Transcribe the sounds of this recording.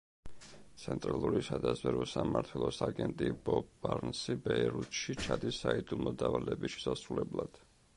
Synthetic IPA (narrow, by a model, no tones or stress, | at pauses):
t̪sʰɛnt̪ʼɾalˠuɾisad̪azvɛɾɔsamaɾt̪ʰɛlˠɔsaɡɛnt̪ʼibɔbːaɾnsibɛɛɾut̪ʃit͡ʃʰad̪isːaid̪umɔd̪avalɛbisʃɛ̥sasɾulɛblˠad̪̥